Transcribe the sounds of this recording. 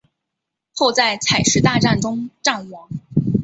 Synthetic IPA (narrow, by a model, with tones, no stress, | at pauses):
xo˥˧ʊt͡sa˥˩ɪt͡sʰa˨˩ɪʂɻ̩˥t̪a˥˧ʈ͡ʂa˥˩nʈ͡ʂʊ˥ŋʈ͡ʂa˥˩ŋwɑ˧˥ŋ